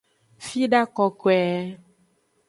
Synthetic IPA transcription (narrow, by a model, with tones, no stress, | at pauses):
fi˦ɖa˦kɔ˨ko˨ɛ˨˦